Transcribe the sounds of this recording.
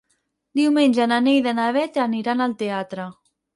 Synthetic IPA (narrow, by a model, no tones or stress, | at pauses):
d̪iwmenʲd͡ʒananejðenaβɛt̪aniɾanalt̪eat̪ɾə